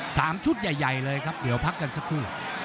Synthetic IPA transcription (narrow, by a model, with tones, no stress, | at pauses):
sa̰ː˨˦mt͡ɕu˦˥t̚za˨˩jza˨˩jləː˧jɣa˦˥p̚ɗḭ˨˦wpʰaː˦˥k̚ka˧nsa˦˥kʰu˦˥lə̰˨˩˦